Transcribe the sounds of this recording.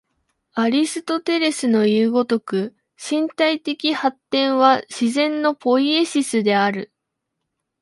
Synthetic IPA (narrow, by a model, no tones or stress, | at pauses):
aɾʲisɨ̥t̪o̞t̪e̞ɾe̞sɨno̞jɯːɡo̞t̪o̞kɯ̟ | ɕĩnt̪ait̪e̞kʲihat̪ːẽ̞ɰ̃βaɕizẽ̞nːo̞po̞ie̞ɕisɨd̪e̞aɾɯ̟